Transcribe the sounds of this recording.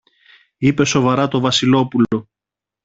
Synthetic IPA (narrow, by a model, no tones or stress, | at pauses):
ipe̞so̞vɐɾɐt̪o̞vɐsilo̞pulo̞